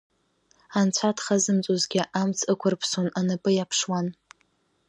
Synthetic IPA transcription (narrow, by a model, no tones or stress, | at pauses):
ant͡ɕʷʰatʰχazɨmt͡sʼozɡʲɪʔamt͡sʰɨkʷʰʊrpʰsonanɨpʼɨjapʰʂwan